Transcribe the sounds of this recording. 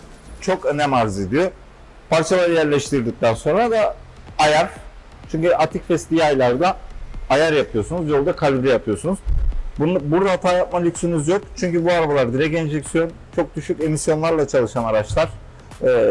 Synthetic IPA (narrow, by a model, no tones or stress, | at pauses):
t͡ʃʰo̞kønɛmaɾzid̪ijo | pʰaɾt͡ʃʰalˠaɾjæɾlʲɛʃt̪iɾd̪ic̚t̪ʰænso̞nɾad̪aː | jaɾ̥ | t͡ʃʰyɲcyʔat̪ʰicfɛslʲijajlˠaɾd̪aajaɾjapʰɯjo̞sunuzbiolˠd̪akʰalʲiɾijapʰɯjo̞sunuzbunbuɾd̪aɦat̪ʰaːjap̚malʲycsynyzjo̞kt͡ʃʰyɲcybuaɾabalˠaɾd̪iɾɛkend͡ʒɛcsijo̞n | t͡ʃʰo̞k̚d̪yʃyce̞misjo̞nlˠaɾlˠat͡ʃʰalˠɯʃanaɾat͡ʃlˠaɾ̥ː